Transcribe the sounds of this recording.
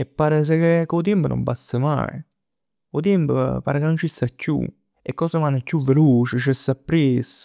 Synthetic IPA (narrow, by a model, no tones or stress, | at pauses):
epːaːɾes̬ekekːot̪̬impəno̰mbast̪əma̰ḭ | kot̪̬impəpa̰ɾkenːont͡ʃist̪akːjṵ | ekːɔːsəmanːɛkʲːuvːeluːt͡ʃɪt͡ʃɛsːapːɾes